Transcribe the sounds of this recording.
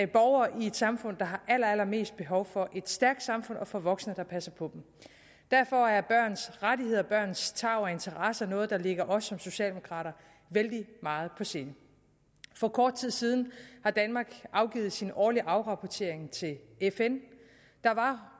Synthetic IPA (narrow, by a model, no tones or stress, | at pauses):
b̥ɒʊɐːʔie̝d̥sɑ̈mfɔ̽n̰d̥ɑ̈ɦɑ̈ʔæl̰ɐælɐme̝̰ːsd̥̚b̥e̝ɦɒ̽ʊfɒ̽ʔe̝d̥sd̥æɐɡ̥d̥sɑ̈mfɔ̽nʔɒ̽fɒ̽ʋɒ̽ɡ̥snəd̥ɑ̈pʰæsɐpʰɒ̽b̥m̩ | d̥æɐfɒ̽æɐb̥ɶɐ̰nsʁadie̝ð̰ˠɐb̥ɶɐ̰nst͡sʰɑ̈ʊɒe̝nt͡sʰɐʁɑsənɔ̽ːð̞̩ˠd̥ɑ̈le̝ɡ̥ɐʔɒ̽sːɒ̽mso̝ɕɛ̰ːld̥e̝mo̝kʰʁɑ̰̈ːɾɐ | ʋeld̥imɑ̈ːð̞̩ˠpʰɒ̽se̝ːnə | fɒ̽kʰɒːd̥̚t͡sʰið̰ˠsiːð̞ˠn̩hɑ̈d̥ænmɑ̈ːɡ̥ʔɑ̈ʊɡ̥ḭːð̩ˠsinɒːliʔɑ̈ʊʁɑ̈pʰɒt͡sʰe̝ɐeŋt͡sʰe̝l | efen | d̥ɑ̈ʋɑ̈